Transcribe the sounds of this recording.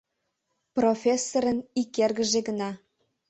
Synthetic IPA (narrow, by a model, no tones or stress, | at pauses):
profʲesːoɾənikerɣəʒeɣənɑ